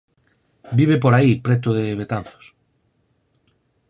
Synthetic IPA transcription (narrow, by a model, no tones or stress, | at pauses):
biβ̞epoɾaipɾet̪ʊðeβet̪anθo̥s